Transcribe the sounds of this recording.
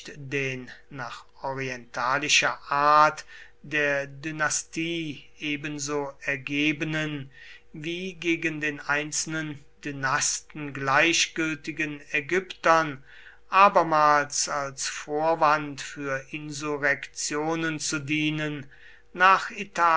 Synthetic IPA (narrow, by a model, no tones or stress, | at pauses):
tdeːnːaːχʔɔʁiɛntʰaːlɪʃɐʔaɐt | d̥eːɐdynastiːʔeːbənzoːɛɐɡeːbənən | viːɡeːɡəndeːnʔaɪnt͡sl̩nən | d̥ynastn̩ɡlaɪçɡ̥ʏltɪɡənɛɡʏptɐn | ʔaːbɐmaːlsalsfoːɐvantfyːɐʔɪnzuʁɛkt͡sjoːnənt͡sudiːnənː | aːχitaː